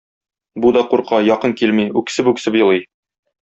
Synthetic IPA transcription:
bud̪ɒquɾqɑjɒqɤŋkilmiʉksɘpʉksɘpjɤ̆lˠɤj

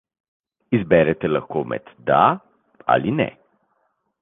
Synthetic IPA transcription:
izbɛɾɛt̪ɛlaxkoːmɛ̰d̪d̪a | a̰linɛ̰

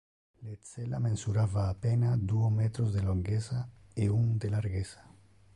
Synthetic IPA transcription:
let͡selamẽnsuɾaβaːpenad̪uomet̪ɾozðeloŋɡesaeuŋd̪elaɾɣesḁ

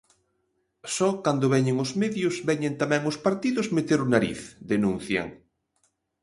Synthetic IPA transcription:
sɔkand̪ʊβɛɲeŋʊzmɛðjʊzβɛɲent̪amɛ̃ŋʊspaɾt̪iðʊzmet̪eɾʊnaɾḭθd̪enũn̟θja̰ŋ

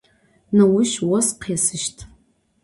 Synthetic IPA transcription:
nɐwʊʃwɔsqʰesɨʃtʰʼ

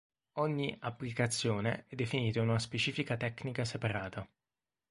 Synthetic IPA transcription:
ɔɲːiapːlikat̪sːjoːnḛɛd̪ːefiniːt̪aununaspet͡ʃiːfikat̪ɛkːnikasepaɾaːt̪a

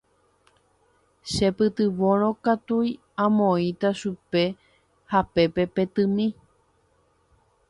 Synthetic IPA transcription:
ʃe̞pɨt̪ɨʋõɾ̃õkat̪uj | ãmõĩt̪aʃupe̞ | hape̞pe̞pe̞t̪ɨ̃mĩ

